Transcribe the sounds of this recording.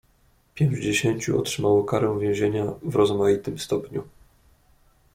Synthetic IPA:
pʲjɛmd͡ʑd͡ʑeɕeɲt͡ɕṵɔ̰tʂɘmawɔkaɾɛ̃w̃vʲjɛ̃w̃ʑeɲavɾɔzmajit̪ɘmst̪ɔpɲu

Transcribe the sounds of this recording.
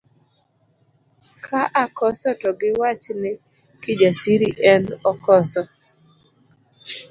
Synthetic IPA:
kʰaʔakɔsɔtɔɡɪwat͡ʃnɪ | kɪd͡ʒasiɾiʔɛnɔkɔsɔ

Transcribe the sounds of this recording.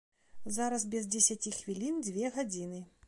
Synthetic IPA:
zaɾɐsbʲɛzd͡zʲɛsʲat͡sʲixvʲilʲind͡zʲvʲɛɣad͡zʲinɨ

